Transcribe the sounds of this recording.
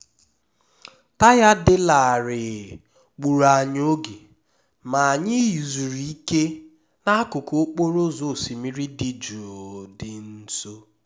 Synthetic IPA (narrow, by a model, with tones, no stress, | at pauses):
ta˦ja˦dɪ˦la˨ɾɪ˨ | k͡pu˨ɾa˨ɲ˦o˦ɡe˨ | ma˨a˨ɲɪ˦ji˨zu˨ɾi˨i˦ke˦ | na˦kʊ˨ko˦k͡po˦ɾo˦zo˨si˨mi˦ɾi˦dɪ˨d͡ʒu˨o˨dɪ˨n̩˦so˦